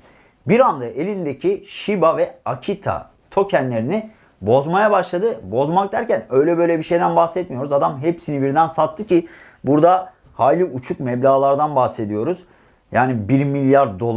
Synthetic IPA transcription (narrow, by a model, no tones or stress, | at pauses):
biɾand̪aʔe̞lʲind̪ecʰiʃibavɛacʰit̪ʰa̰ | t̪ʰo̞cʰɛnlʲe̞ɾini | bo̞zmajabaʃlˠad̪ɯbo̞zmak̚d̪æɾcænø̞jlʲɛbø̞jlʲɛbiʃe̞jd̪ænbaxsɛt̪mijo̞ɾuzad̪amɦepsinibiɾd̪ænsat̪ʰːɯcʰi | buɾd̪a | haːlʲiut͡ʃʰukmɛblʲaːlˠaɾd̪anbahse̞d̪ijo̞ɾuz̥ | jaːnibiɾmilʲjaɾd̪o̞lˠ